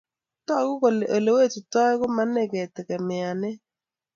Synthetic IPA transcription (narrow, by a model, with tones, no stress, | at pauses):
tɔ˦˨˦ɣʊ˦ko˨le˨ʔo˨le˨we˦˨tu˨tɔ˦ɣʊ˦ma˦ne˦˨ɡɛ˨tɛ˨kɛ˨mɪ˨a˨nɪ˦